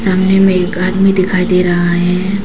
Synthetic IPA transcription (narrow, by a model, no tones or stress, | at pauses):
saːmnemɛ̃eːkaːd̪mid̪ɪkʰaːid̪eɾɐɦaɦɛ̃ː